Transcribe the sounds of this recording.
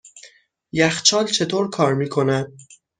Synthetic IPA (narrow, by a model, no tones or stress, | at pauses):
jæxt͡ʃʰɒːlt͡ʃʰe̞t̪ʰoːɾkʰɒːɾmiːkʰo̞næd̪̥̚